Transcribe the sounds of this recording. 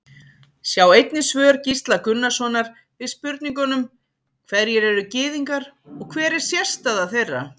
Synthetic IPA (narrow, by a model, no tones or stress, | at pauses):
sjawejt̪nɪsvœːɾcist̪lakʏnːasvɔnaɾ | vɪðspʏɾt̪niŋkɔnʏm | kʰvɛðɾjɛɾɛɾʏcɪːðiŋkaɾ | ɔɣkʰvɛːɾɪɾ̥sjɛ̥st̪aðaθejrːa̰